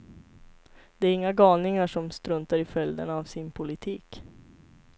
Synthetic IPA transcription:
d̪̥ɛæɾɪŋːaɡɑːlnɪŋaʂɔmst̪ɾɵnt̪aɾɪfœld̪ənːvsɪnpʰʊlɪt̪ʰiːk

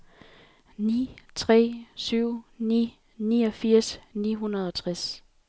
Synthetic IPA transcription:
nḭːt͡sʰʁɛ̰ːsyʊ̰nḭː | niːɒ̽fiɐ̰sniːɦunɐð̞ˠɒ̽t͡sʰʁas

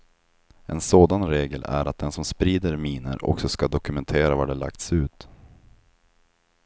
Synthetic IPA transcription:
ʔɛnsoːd̪anɾeːɡəlæ̰ɾat̪̚d̪ɛnsɔmspɾiːd̪əɾmiːnə̰ɾɔ̰ksɔskad̪ɔkɵmɛnt̪ʰeːɾavaɖɛla̰k̚t̪sʉ̟ːt̪

